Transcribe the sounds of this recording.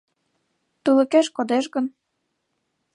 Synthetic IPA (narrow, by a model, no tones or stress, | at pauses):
t̪ulə̆keʃkod̪eʃɣən